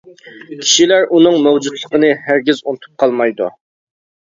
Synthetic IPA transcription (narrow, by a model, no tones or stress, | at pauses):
kʲʰi̥ʃilæɾʔunɨŋmɛwd͡ʒut̪lˠəqənɨhæɾɡʲizunɨt̪ʰu̥p̚qʰɑlˠmɑjd̪ṵ